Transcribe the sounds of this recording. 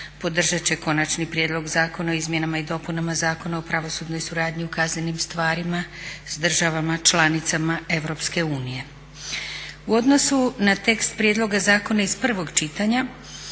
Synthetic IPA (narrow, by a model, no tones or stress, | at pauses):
po̞d̪r̩ʒat͡ɕe̞ko̞nat͡ʃnipɾjed̪lo̞ɡzaːko̞naoizmʲje̞namaid̪o̞punamazaːko̞naopɾaʋo̞sud̪no̞jsuɾaːd̪ɲiukaznenimst̪ʋaːɾimasd̪r̩ʒaʋamat͡ʃlanit̪samae̞ʋɾo̞pske̞uːnije̞ | uo̞d̪no̞sunat̪e̞kst̪pɾʲjed̪lˠo̞ɡazaːko̞naizpr̩ʋo̞ɡt͡ʃit̪aɲa